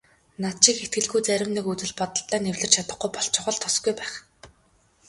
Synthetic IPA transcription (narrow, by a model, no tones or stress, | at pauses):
nat̪ʃɪ̆kxet̪̚ɡɘ̆ɮɡujt͡sæɾʲɪ̆mnĭːkut͡sɘ̆ɮpɔt̪ə̆ɮt̪æːnewɮɘ̆t͡ɕʰat̪ə̆χɡujpɔɬt͡ɕʰʊχə̆ɮt̪ʰːɔsɡujpæːχ